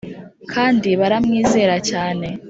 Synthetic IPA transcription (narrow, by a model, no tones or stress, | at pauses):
kʰaːndiβaɾamŋiːze̞ːɾacaːne̞